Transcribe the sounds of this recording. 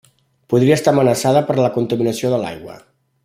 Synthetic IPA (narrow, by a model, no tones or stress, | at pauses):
puðɾiəst̪amənəsaðəpəɾləkunt̪əminəsioðəla̰jɣwə̰